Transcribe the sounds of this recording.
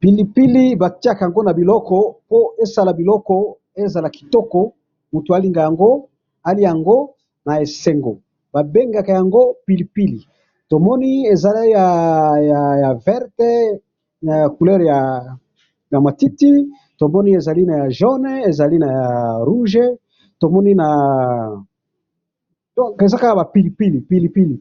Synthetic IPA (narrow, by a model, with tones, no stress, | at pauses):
pi˨li˨pi˦li˦ba˨ti˦a˨ka˨ja˨ŋɡo˦na˨bi˨lɔ˦kɔ˨po˦e˦sa˦la˨bi˨lɔ˦kɔ˦ | e˦za˨la˨ki˨tɔ˦kɔ˨ | mu˨tu˨a˦li˨ŋɡa˨ja˨ŋɡo˦ | a˦li˦ja˨ŋɡo˦ | na˨e˨se˨ŋɡo˨ | b̥a˨be˦ŋɡa˨ka˨ja˨ŋɡo˦pi˨li˨pi˦li˨ | to˨mɔ˦ni˦e˨za˨li˦ja˨ja˨ja˨vɛ˦ʁtɛ˦ | na˨ja˨ku˨lɛ˦ʁja˨ | ja˨ma˨ti˦ti˦ | to˨mɔ˦ni˦e˨za˨li˦na˨ja˨ʒɔ˦nɛ˦e˨za˨li˦na˨ja˨ʁu˦ʒe˦ | to˨mɔ˦ni˦na˨ | dɔ˦ke˨za˦ka˦˨ba˨pi˦li˨pi˦li˨pi˦li˨pi˦li˨